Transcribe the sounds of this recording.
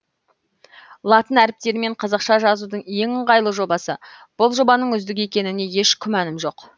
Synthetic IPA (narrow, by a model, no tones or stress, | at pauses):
lˠɑt̪ənæɾɪp̚t̪e̞ɾme̞ɴqʰɑzɑqʃɑʒɑzud̪əɴje̞ŋəɴʁɑjlˠəʒo̞bɑsəb̥ʊlˠʒo̞bɑnəɴʏzd̪ɪk̬ʲe̞kʲe̞nɪne̞je̞ʃkʲʰʏmænɪmʒo̞q